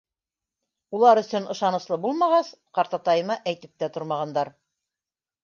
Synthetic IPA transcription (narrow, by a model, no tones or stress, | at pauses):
ulˠɑɾɵ̆sɵnɤ̆ʃɑnɤ̆slˠɤbulˠmɑʁɑsqɑɾt̪ɑt̪ɑjɤ̆mɑʔæjt̪ɘ̆p̚t̪æt̪ŏɾmɑʁɑnd̪ɑɾ